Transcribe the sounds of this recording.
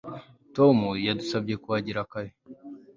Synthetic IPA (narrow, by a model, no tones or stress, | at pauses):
tomujadusabɟe̞kuwaɟiɾakaɾe